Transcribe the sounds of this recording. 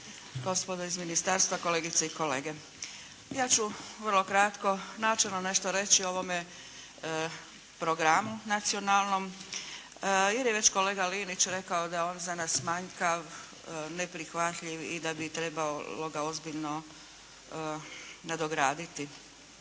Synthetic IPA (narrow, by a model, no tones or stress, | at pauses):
ɡ̥o̞spo̞d̪oizminist̪aɾst̪ʋako̞leːɡit̪seiko̞le̞ːɡe̞ | jaːt͡ɕuʋərlˠo̞kɾat̪ko̞naːt͡ʃelnone̞ʃt̪o̞ɾe̞t͡ɕio̞ʋo̞me | pɾo̞ɡɾamunat̪sio̞naːlˠno̞m | jeɾjeʋe̞t͡ɕko̞le̞ːɡaliːnit͡ɕɾe̞kaod̪aoːnzanaːsmaɲkaʋ | nepɾixʋat̪ʎiʋid̪abit̪ɾe̞baolo̞ɡao̞zbiʎno̞ | nad̪o̞ɡɾaːd̪it̪i